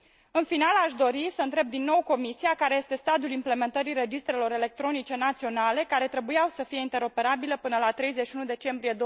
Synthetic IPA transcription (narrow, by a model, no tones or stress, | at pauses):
ɨnfinalaʃd̪o̞ɾisəɨnt̪ɾe̞b̚d̪inːo̞wko̞misiakaɾe̞jest̪e̞st̪ad̪julimple̞me̞nt̪əɾiɾe̞d͡ʒist̪ɾe̞lo̞ɾe̞le̞k̚t̪ɾo̞nit͡ʃe̞nat̪sio̞nale̞kaɾe̞t̪ɾe̞bujawsəfije̞int̪e̞ɾo̞pe̞ɾabiləpɨnəlat̪ɾe̞jzetʃiunud̪e̞t͡ʃe̞mbɾije̞d̪o